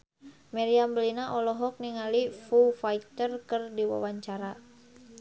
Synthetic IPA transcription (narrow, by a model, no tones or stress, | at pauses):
mɛɾiamblinaʔɔlɔɦɔk̚niŋalifufait̪ərkərdiwa̰waɲt͡ʃaɾa